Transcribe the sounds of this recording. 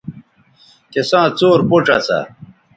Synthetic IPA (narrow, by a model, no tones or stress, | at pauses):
kesãːt͡soːɾpoʈ͡ʂa̰sa̰